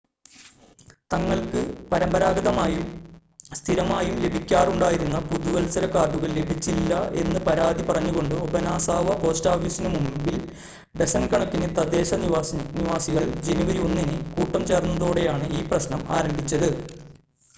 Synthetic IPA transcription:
t̪ɐŋːɐɭkɨpɐɾɐmbɐɾaːɡɐðɐmaːjum | st̪ʰiɾɐmaːjumle̞bʱikʲːaːruɳɖaːjiɾunːɐpuðuʋɐlsɐɾɐkːaːʈːuɣɐɭle̞bʱit͡ɕːilːɐe̞̰nːɨpɐɾaːd̪ipɐrɐɲːuɣo̞ɳɖɨobɐnaːsaːʋɐpo̞ːstaːfisinɐmumbil | ɖesɐnkɐɳɐkːinet̪ɐd̪e̞ːɕɐniniʋaːsiɣɐɭd͡ʑeniʋɐɾionːinikuːʈːɐmt͡ɕe̞ːrnːɐðoːɽejaːɳɨiːprɐɕnɐma̰ːɾɐmbʱit͡ɕːɐðɨ

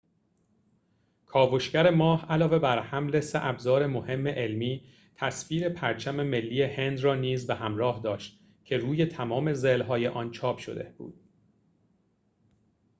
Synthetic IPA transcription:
kʰɒːvo̞ʃcæɾe̞mɒːhælɒːve̞bæɾhæmle̞seʔæbzɒːɾe̞mohe̞mːe̞ʔelmiː | t̪ʰæsfiːɾe̞pʰæɾt͡ʃʰæme̞me̞lːiːehe̞nd̪rɒːniːzbeɦæmɾɒːhd̪ɒːʃt̪̚ | cʰe̞ɾuːje̞t̪ʰæmɒːme̞zelɦɒːje̞ʔɒːnt͡ʃʰɒːpʃo̰d̪e̞̰b̥ṵːd̪̥̚

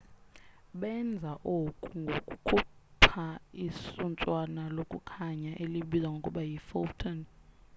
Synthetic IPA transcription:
ɓɛnd͡zʱaʔokʼuŋɡʱokʼukʰupʰaisunt͡sʼwanalokʼukʰaɲaʔeliɓizaŋɡʱokʼuɓajifɔltʰɔn

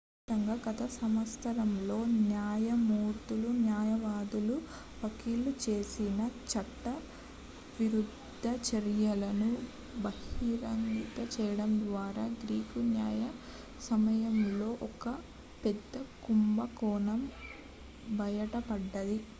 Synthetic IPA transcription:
t̪ɐŋɡaːɡɐt̪ɐsɐmʋɐst̪ʰɐɾɐmlo̞ːnjaːjɐmuːɾt̪ulunjaːjɐʋaːd̪ulu | ʋɐkiːlut͡ʃe̞ːsinɐt͡ʃɐʈːɐ | ʋiɾud̪ʱːɐt͡ʃɐɾjɐlɐnu | bɐhiɾɐŋɡit̪ɐt͡ʃɛːjɐɽɐmd̪ʋaːɾaːɡɾiːkunjaːjɐ | sɐmɐjɐmlo̞ːʔɔkɐ | pɛd̪ːɐkumbɐkɔːnɐm | bʱɐjɐʈɐpɐɖːɐd̪i

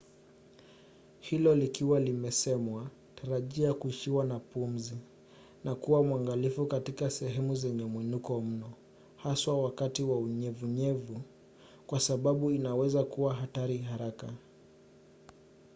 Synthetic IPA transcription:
hilɔlikiwalimɛsɛmwa | taɾaʄiakuiʃiwanapum̩zi | nakuwamwaŋɡalifukatikasɛɦɛmuzɛɲɛmwinukɔm̩nɔ | haswawakatiwauɲɛvuɲɛvu | kwasaɓaɓuinawɛzakuwaɦataɾiɦaɾaka

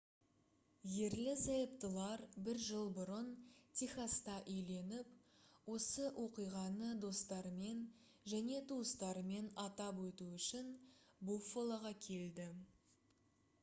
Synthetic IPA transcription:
je̞ɾlɪsɑjəp̚t̪əlˠɑɾbɪɾʒəlˠbʊɾənt̪ʰʲiχast̪ɑʔɵjle̞nɪpwo̞səʔwʔo̞qijʁɑnəd̪o̞st̪ɑɾme̞n | ʒæne̞t̪ʰuəst̪ɑɾme̞nɑt̪ɑpwɵt̪uʏʃɪnbufːolˠɑʁɑkʲʰe̞ld̪ɪ

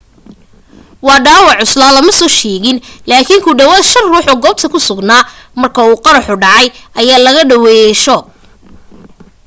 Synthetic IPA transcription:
wɑːɖaːwɑʕʊslaːlɐmɐsɔːʃɛːɣɪnlaːkʰɪŋkʰʊɖɐwɐðʃɐrruːħɔɡɔːb̚t̪ʰɐkʰʊsʊɡnaː | mɐrkʰɐuːqɑɾɑħʊɖɑʕɑjʔɐjaːlɐɣɐɖɐwɛːjɛʃɔː

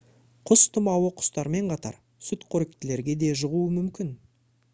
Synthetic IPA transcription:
qʰʊst̪ʰʊmɑwəqʰʊ̥st̪ɑɾme̞ɴqʰɑt̪ɑ̰ɾ | sʊt̪qʰɵɾɪk̚t̪ɪle̞ɾɡʲe̞d̪e̞ʒəʁuəmʏmkʲɪn

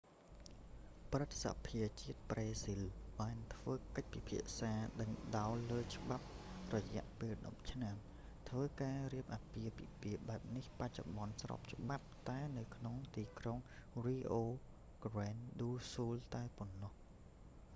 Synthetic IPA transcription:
prɨt̪̚sa̰pʰiət͡ɕiət̪̚preːsilɓaːnt̪ʰʋəːkəc̚pipʰiəʔsaːɗəŋɗaɔləːt͡ɕə̆ɓap̚rɔjɛ̆əʔpeːlɗɑp̚t͡ɕʰnam | t̪ʰʋəːkaːriəp̚ʔaːpiəpḭpiəɓaɛp̚nihpac̚t͡ɕoɓɑnsrɑ̰ːp̚t͡ɕə̆ɓap̚t̪aɛnɨwkʰnoŋt̪iːkroŋriːʔoː | ɡ̥rɛːnɗuːsuːlt̪aɛponːɑh

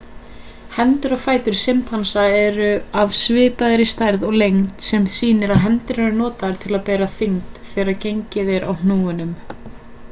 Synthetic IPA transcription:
hɛnt̪ʏɾɔɣfaːjt̪ʏɾ̥sɪmt̪hansaɛɾʏavsvɪːpaðɾɪst̪ajɾðɔɣlejŋt̪sɛmsiːnɪɾaðɦɛnt̪ɪɾɛɾʏnɔːt̪aɾ̥t̪ʰɪlaðpɛːɾaθɪŋt̪θɛːɾaɾcejɲcɪðɪɾʔa̰wn̥nuːʏnʏm

